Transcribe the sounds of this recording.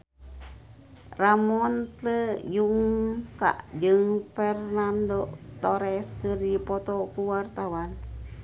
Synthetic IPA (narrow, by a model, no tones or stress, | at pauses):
ramɔnt̪ləjuŋka̰ʔd͡ʒɨŋfɛrnandot̪ɔɾɛskəɾipɔt̪ɔkuwart̪awan